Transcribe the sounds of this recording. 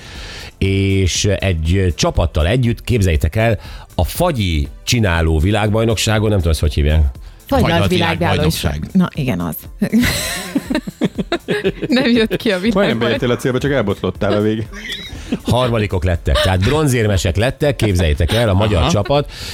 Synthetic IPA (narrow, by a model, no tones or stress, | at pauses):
eːʃɛɟt͡ʃɒpɒt̪ːɒlɛɟːyt̪keːbzɛjːɛt̪ɛkɛlɒfɒɟit͡ʃinaːloːvilaːɡ̚bɒjno̞kʃaːɡonɛmt̪ud̪oshochḭːvja̰ːk | jʋilaːɡjaːjloʃa̰ːɡnɒʔiɡɛnɒ̰z̥ | nɛmjøt̪kiɒviɒjnɛmbɛjɛeːlɒt̪seːlbɛt͡ʃɒkɛlbo̞t̪lo̞t̪ːaːlɛveːɡ | hɒrmɒd̪iko̞klɛt̪ːɛ̰k̚t̪ɛɦaːd̪̚bro̞nzeːrmɛʃɛklɛt̪ːɛkːeːbzɛjːɛt̪ɛkɛlːɒmɒɟɒrt͡ʃɒpɒt̪